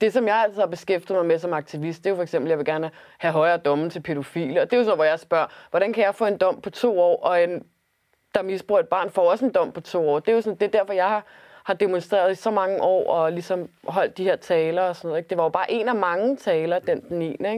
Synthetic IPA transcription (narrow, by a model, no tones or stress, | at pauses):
d̥e̝sɒ̽mjɑ̈ɪæl̰t͡sʰiðˠhɑ̈b̥e̝sɡ̥efd̥ið̩ˠmɑmesɒ̽mɑ̈ɡ̥̚t͡sʰiʋisd̥̚d̥e̝jo̝fɒ̽eɡ̥sem̰b̥l̩jɑ̈ʋe̝ɡæɐnəhæɦɒ̽ɪɐːd̥ɒ̽mn̩t͡sʰe̝lpʰe̝ɾo̝fḭːləɒ̽d̥e̝jo̝sn̩̰ˠʋɒjɑ̈ɪsb̥ɶɐ̰ʋɒ̽ɾ̥ænkʰæjɑ̈ɪfɔ̽ːe̝nd̥ɒ̽m̰pʰɒ̽t͡sʰo̝̰ːɒ̰ːʔɒ̽en | d̥ɑ̈misb̥ʁuɐed̥̚b̥ɑ̰̈ːnfɒɒ̽se̝nd̥ɒ̽m̰pʰɒ̽t͡sʰo̝̰ːɒ̰ːd̥e̝jo̝sɒ̽nd̥e̝d̥æɐ̰fɒ̽jɑ̈ɪhɑ̈ | hɑ̈d̥emonsd̥ʁɛ̰ːɐð̞ˠisɒ̽mɑ̈ŋəʔɒ̰ːɒ̽lisɒ̽m | ɦɒ̽l̰d̥ihe̝ɐ̰t͡sʰɛːlɐɒ̽snɔ̰ð̰̩ˠeɡ̥̚d̥e̝ʋɑ̈jo̝b̥ɑ̈ːʔe̝̰næmɑ̈ŋət͡sʰɛːlɐd̥end̥n̩ḭːneɡ̥